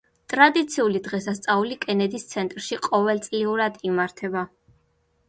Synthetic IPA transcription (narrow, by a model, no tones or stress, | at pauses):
t̪ʼɾad̪it̪sʰiulid̪ʁɛsast̪sʼaulikʼɛnɛd̪ist̪sʰɛnt̪ʼɾʃiqʼɔvɛlˠt̪sʼliuɾad̪imaɾt̪ʰɛba